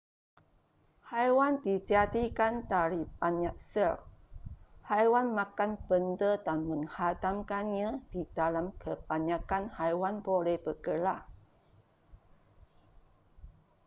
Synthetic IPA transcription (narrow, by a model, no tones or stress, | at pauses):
hajwandid͡ʒadikandaɾibaɲaʔsər | hajwanmãkanbəndədanmə̃ŋhadamkanɲãd̥idalamkʰəb̥aɲãkanhajwanbolɛhbəkəla